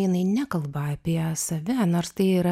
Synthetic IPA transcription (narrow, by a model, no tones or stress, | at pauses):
jɪnɐɪnʲɛkɐlˠbɐɐpʲiɛsɐʋʲɛnoːɾst̪ɐɪiːɾɐ